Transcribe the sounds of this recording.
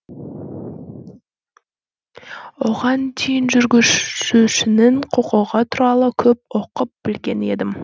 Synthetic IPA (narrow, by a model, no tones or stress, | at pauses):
woʁɑnt̪ʰejɪnʒʏɾɡʲʏuʃɪnɪɴqʰoqoʁɑt̪ʰʊɾɑlˠəkʲʰɵp̚oqəp̚b̥ɪlɡʲe̞ne̞d̪ɪm